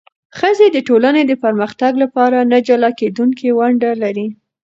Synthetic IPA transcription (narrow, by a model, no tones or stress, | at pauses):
xəzed̪əʈolaned̪əpəɾməxt̪aɡlapɑɾanad͡ʒalɑked̪uŋkiwaɳɖalaɾi